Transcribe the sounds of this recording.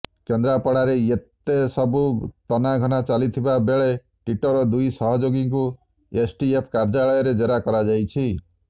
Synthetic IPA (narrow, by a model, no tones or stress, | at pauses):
kend̪ɾapɔɽaɾeet̪esɔbut̪ɔnaɡʱɔnat͡ʃalit̪ʰibabeɭe | ʈwiʈɔɾɔd̪ujsɔɦɔd͡ʒoɡiŋku | esʈiepʰkaɾd͡ʒaɭɔjɔɾed͡ʒeɾakɔɾad͡ʒajt͡ʃʰi